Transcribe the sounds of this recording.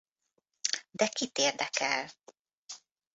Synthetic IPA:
d̪ɛkit̪eːrd̪ɛkɛl

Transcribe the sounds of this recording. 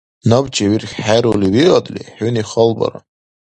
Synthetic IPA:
nabt͡ʃaɥirχʲħaɾuliwiqʼadʼlḭħʊniχəlba̰ra̰

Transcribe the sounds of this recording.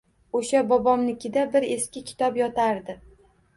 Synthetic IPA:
oʃabɒbɒmnɪkʲɪd̪abɪɾe̞skʲɪkʲʰɪ̥t̪ʰɒpjɒt̪ʰaɾd̪ɪ

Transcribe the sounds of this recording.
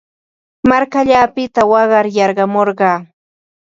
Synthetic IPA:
maɾkaʎaːpɪt̪awɑɢɑɾjɑɾɢɑmoɾɢɑː

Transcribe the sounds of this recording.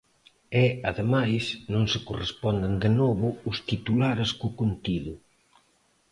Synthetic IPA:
ɛaðemajsnõŋsɪkorespɔnd̪ɪnd̪ɪnɔβʊʊst̪it̪ulaɾeskʊkont̪iðʊ

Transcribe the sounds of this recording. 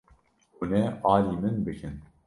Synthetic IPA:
unɛɑːliːmɨnbɨkʰɨn

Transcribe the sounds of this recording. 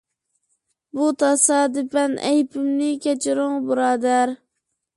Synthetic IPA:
but̪ʰɑsɑːd̪ɨpɛnɛ̰jpʰɪmnɪkʲɛt͡ʃʰɪɾʊŋbuɾɑːd̪æɾ

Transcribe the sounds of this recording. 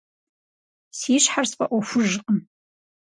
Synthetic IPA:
siɕħarspʼaʔʷofʊʒqʼəm

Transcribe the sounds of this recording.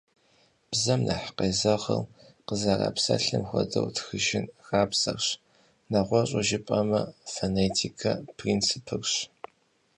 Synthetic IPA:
b̥zɐmnʔɐħqeːzɐʁɐ̰l | qəzɐra̰psɐɬɨmxʷɔdɐ̰wtʰxɨʒɪnxaːpsɐrɕ | nɐʁʷɔɕʼʊʒɪpʼɐmɐfoneːtʰikʰɐpʰrinsɨpʰɨrɕ

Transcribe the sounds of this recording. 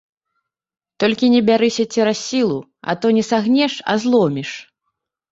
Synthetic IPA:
t̪ɔlʲkʲinʲɛbʲaɾɨsʲɐt͡sʲɛɾasʲːilˠu | ɐ̰t̪ɔnʲɛsaɣnʲɛʂɐ̰zlˠɔmʲiʂ

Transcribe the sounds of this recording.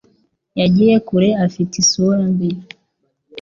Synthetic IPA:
jad͡ʒɛɛkuɾɛafitisuanbi

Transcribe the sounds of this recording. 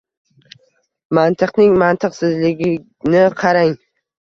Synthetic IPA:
mant̪ʰɨqnɪŋmant̪ʰɨqsɪzlɪɡʲɪ | nɪqʰɑɾaŋ

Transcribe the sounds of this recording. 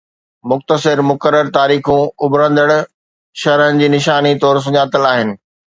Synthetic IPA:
mʊxt̪əsɪɾmʊkəɾːəɾt̪aːɾiːxũʊbɾə̃nd̪əɽ̃ | ʃɐɾənɪ̆d͡ʑiːnɪʃaːnit̪ɔːɾs̬ʊɲaːt̪əlaːɦɪnɪ̆

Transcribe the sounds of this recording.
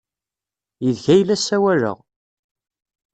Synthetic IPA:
jəðçæjlːæsːæwæɾə̰ʁ

